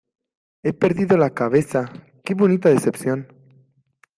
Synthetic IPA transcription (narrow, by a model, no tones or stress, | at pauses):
e̞pe̞ɾðiðolakaβe̞sa | keβo̞nit̪aðese̞pθjon